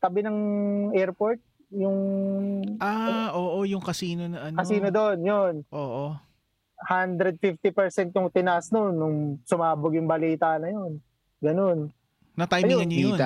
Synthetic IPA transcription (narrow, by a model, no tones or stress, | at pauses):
k̪ɐbɪnɐŋɛɹpo̞ɹt̪̚ | jʊŋ | aʔoːʔojʊŋkɐsiːnonɐʔɐnkɐsiːnod̪onjonʔoːʔo | hand̪ɾɛd̪̚fift̪ipɛɹsɛnt̪jʊŋt̪ɪnɐʔasnonːʊŋsʊmaːbʊɡjʊŋbɐliːt̪anɐjo̞n | ɡɐno̞n | nɐt̪ajjɪŋɐɲojon